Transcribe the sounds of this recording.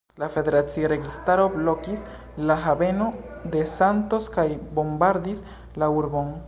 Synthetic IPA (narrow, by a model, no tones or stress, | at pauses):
lafe̞de̞ɾat͡sioɾe̞ɡistaɾo̞blo̞kis | laɦabe̞no̞d̪e̞santo̞skajbo̞mbaɾd̪is | lauɾbo̞n